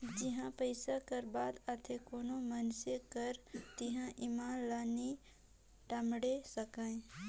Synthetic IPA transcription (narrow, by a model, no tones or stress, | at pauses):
d͡ʒɪɦãpəɪsakəɾbaːd̪ət̪ʰekoːnomənsekəɾt̪ɪɦãʔɪmaːnlaːni | ʈəmɽesəkãẽ